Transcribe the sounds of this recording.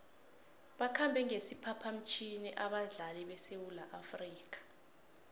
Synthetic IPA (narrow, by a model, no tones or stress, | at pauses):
ɓakʰambʱɛŋesipʰapʰam̩t͡ʃʼʰiniʔaɓaɮalɛɓɛsewulaʔafriːk̬ḁ